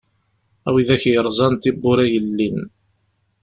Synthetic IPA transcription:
æwiðæçjəɾˤzˤɑnt̪ibːʊɾæjəlːin

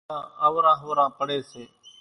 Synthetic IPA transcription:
ãːəʋɾãːɦoːɾãːpəɽeːseː

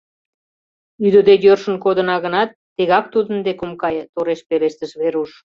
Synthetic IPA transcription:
yd̪əd̪ejørʃə̆nkod̪ə̆nɑɣənɑt̪ːeɣɑk̚t̪ud̪ənd̪ekomkɑjt̪oɾeʃpeleʃt̪əʃβeɾuʃ

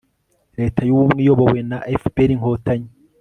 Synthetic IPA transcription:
ɾe̞ːtʰajuβumŋijo̞βowenaʔefpeɾiŋhoːtaɲi

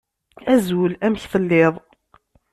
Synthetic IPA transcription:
æzulæmçθəlːɪðˤ

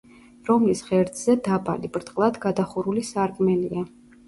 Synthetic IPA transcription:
ɾɔmlisχɛɾd̪zɛd̪abʼa̰libʼɾt̪ʼqʼlˠad̪ɡad̪aχuɾulisaɾkʼmɛlia

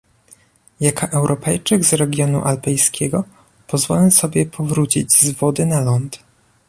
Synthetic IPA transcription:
jakaʔɛwɾʔɔpɛjt͡ʂɘɡzɾɛɡʲjɔnṵʔalpɛjskʲʰɛɡɔ | pɔzvɔlɛsɔbʲjɛpʰɔvɾut͡ɕid͡ʑzvɔd̪ɘnalɔnt̪

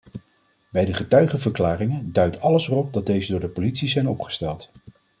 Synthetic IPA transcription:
bɛjdəχətœɥχəvəɹklaːrɪŋəndœɥtʰɑləsrɔp̚dɑt̚d̚ejzədʊːɹdəpolitsizɛjnɔpχə̥stɛlˠt

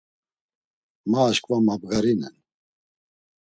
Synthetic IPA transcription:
maːʃkʼvamabɡaɾinɛn

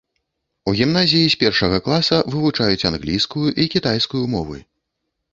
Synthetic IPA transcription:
uɣʲimnazʲijisʲpʲɛrʂɐɣɐklˠasɐvɨvut͡ʂajut͡sʲanɣlʲijskujuʔikʲit̪ajskujumɔvɨ̰

